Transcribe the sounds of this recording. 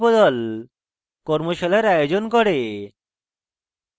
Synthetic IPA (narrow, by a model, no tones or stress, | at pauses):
bɔd̪ɔl | kɔɾmoʃelaɾajod͡ʑonkɔɽe